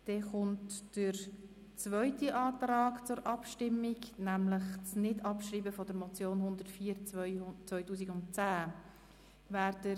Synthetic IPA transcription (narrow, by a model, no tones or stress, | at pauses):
d̥ɛχʊntd̥əɾ | t͡svœʏtiʔɑːtɾaːkt͡sʊɾʔɑpʃtɪmːɪɡnæmləχt͡snɪdɑpʃriːbəfɔdəɾmɔt͡sjoːnhʊnd̪əɾtfiːɾt͡st͡svœʏtuːs̬iɡʊntt͡sæː | væːɾdə